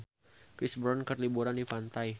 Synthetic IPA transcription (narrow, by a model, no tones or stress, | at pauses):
kɾisbɾɔnkərlibuɾandifant̪aj